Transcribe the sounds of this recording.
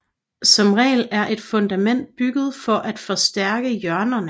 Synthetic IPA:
sɒ̽mʁɛ̰ːɪlæɐʔe̝d̥fɔ̽nd̥æmen̰d̥̚b̥yɡ̥əð̞̩ˠfɒ̽ʔæd̥fɒ̽sd̥æɐɡ̥əjɶɐnɐnə

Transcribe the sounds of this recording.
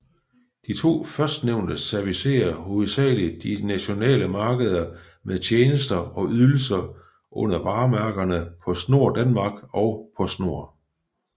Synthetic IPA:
d̥it͡sʰo̝̰ːfɶɐsd̥neʊnd̥əsæɐʋise̝̰ːɐhoð̩ˠsɛ̰ːli̥d̥inæɕo̝nɛ̰ːləmɑ̈ːɡ̥əð̞ˠɐ | meðˠt͡ɕʰeːnəsd̥ɐɒ̽ʔyðˠl̩sɐ | ʔɔ̽n̰ɐʋɑ̈ːmæɐɡ̥ɐnəpʰɒ̽sno̝ɐ̰d̥ænmɑ̈ːɡ̥ɒ̽ʊpʰɒ̽sno̝ɐ̰

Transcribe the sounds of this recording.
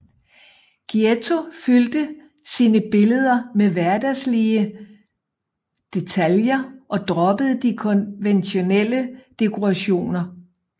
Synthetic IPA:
ɡ̥iet͡sʰo̝fyld̥ə | siːnəb̥e̝ləð̞ˠɐmeʋæɐd̥æsliə | d̥e̝t͡sʰæljɐʔɒ̽d̥ʁɒ̽b̥əð̞ˠəd̥ikʰɔ̽nʋenɕo̝nel̰əd̥e̝kʰo̝ʁɑɕo̝̰ːnɐ

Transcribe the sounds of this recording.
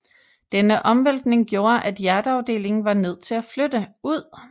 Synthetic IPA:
d̥enəʔɒ̽mʋel̰d̥ne̝ŋɡ̥jo̝ːɐʔæd̥jæɐd̥əɑ̈ʊd̥e̝̰ːle̝ŋn̩ʋɑ̈ne̝ð̞̰ˠt͡sʰe̝læflød̥əuð̞̰ˠ

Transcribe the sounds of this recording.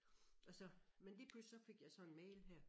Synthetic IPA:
ælsɒmenlipʰlussɒ̽fe̝ɡ̥jɑ̈ɪsɒ̽enmɛɪlɦæɐ̰

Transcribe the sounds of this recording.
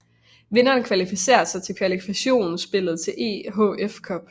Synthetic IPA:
ʋe̝nɐːnkʰʋælifise̝̰ːɐsɑ̈ɪt͡sʰe̝lkʰʋælifi̥æɕo̝̰ːnn̩sb̥e̝lð̞̩ˠt͡sʰe̝lʔe̝̰ːɦɔ̰̽efkʰɒ̽b̥

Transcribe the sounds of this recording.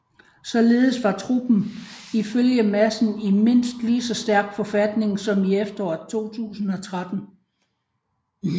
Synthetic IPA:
sɒ̽le̝ːð̩ˠəsʋɑ̈t͡sʰʁub̥n̩iføljəmæsn̩ime̝n̰sd̥liːsɒ̽sd̥æɐɡ̥fɒ̽fæd̥ne̝ŋsɒ̽miefd̥ɐɒt͡sʰo̝̰ːt͡sʰṵːsn̩ɒ̽t͡sʰʁad̥n̩

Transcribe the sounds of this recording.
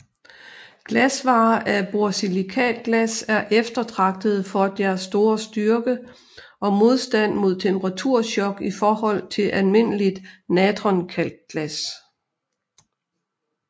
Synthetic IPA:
ɡ̥læsʋɑ̈ːʔæb̥oɐsilikʰɛ̰ːlɡ̥læsæɐʔefd̥ɐt͡sʰʁɑ̈ɡ̥̚d̥ð̞̩ˠfɒ̽d̥æɐsːd̥o̝ːɐsd̥yɐɡ̥ə | ʔɒ̽mo̝ð̞ˠsd̥æn̰mo̝ð̰ˠt͡sʰempʰəʁɑ̈t͡sʰuɐ̰ɕɒ̽ɡ̥ifɒːhɒ̽l̰t͡sʰe̝lʔælme̝n̰əlid̥nædʁɒnkʰæl̰d̥̚ɡ̥læs

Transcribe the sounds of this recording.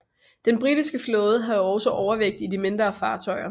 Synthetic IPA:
d̥enb̥ʁid̥isɡ̥əflɔ̽ːð̞̩ˠɦɑ̈ɒʊsɒʔɒʊɐʋeɡ̥̚d̥idime̝nd̥ʁɐːfɑ̈ːt͡sʰɒ̽ɪɐ

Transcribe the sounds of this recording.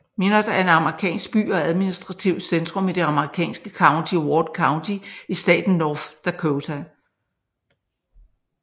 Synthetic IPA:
me̝nɐd̥ɑ̈æɐe̝nɑ̈məʁikʰɛ̰ːnsɡ̥̚b̥y̰ːɒ̽æðˠminisd̥ʁɑ̈t͡sʰiʊ̰̥send̥ʁɔ̽mid̥e̝ɑ̈məʁikʰɛ̰ːnsɡ̥əkʰɑ̈ʊnt͡sʰiwɒːd̥kʰɑ̈ʊnt͡sʰiisd̥ɛ̰ːd̥n̩ːɒːfd̥ækʰoʊt͡sʰæ

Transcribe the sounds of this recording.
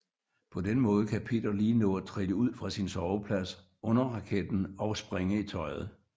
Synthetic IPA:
pʰɒ̽denmɔ̽ːð̞̩ˠkʰæpʰe̝̰ːd̥ɐliːnɔ̰̽ːt͡sʰʁid̥əuð̰ˠfʁɑ̈sinsɒʊəpʰlæs | ʔɔ̽nɐʁɑ̈kʰed̥n̩ɒ̽ʊsb̥ʁeŋəit͡sʰɒ̽ɪð̞̩ˠ

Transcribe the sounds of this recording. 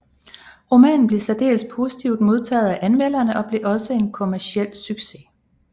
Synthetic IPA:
ʁo̝mɛ̰ːn̩b̥le̝sæd̥e̝̰ːlspʰo̝sit͡sʰiʊ̰d̥mo̝ð̞ˠt͡sʰɛ̰ːðˠæʔænmel̰ɐnəʔɒ̽b̥le̝ʔɒ̽səe̝nkʰo̝mæɐsiel̰syɡ̥se̝

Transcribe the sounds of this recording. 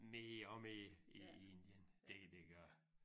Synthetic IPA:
meɒmeiend̥jənd̥ed̥eɡ̥ɶɐ

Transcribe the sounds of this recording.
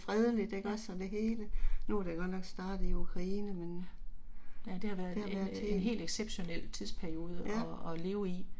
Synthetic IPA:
fʁɛð̞ˠəlid̥e̝ɡ̥ɒ̽sːɒ̽nd̥e̝ɦe̝ːlənuɾ̥eɡ̥ɒ̽d̥nɒ̽ɡ̥sd̥ɑ̈ːd̥ð̩ˠiukʰʁɑ̈iːnəmen | jæd̥e̝hɑ̈ʋæɐðdehɑ̈æːɐðˠt͡sʰenɦe̝̰ːld̥eɡ̥seb̥ɕo̝nel̰t͡sʰiðˠspʰæɐijo̝ːð̞ˠəjæɒle̝ːʊi

